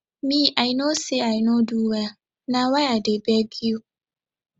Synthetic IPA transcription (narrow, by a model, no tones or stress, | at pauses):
mĩʔainoseainoduwa | nãwaadebɛɡio